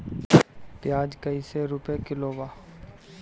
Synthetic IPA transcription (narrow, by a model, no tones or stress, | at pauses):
pjaːd͡ʒkəiːseɾʊpekɪloːʋaː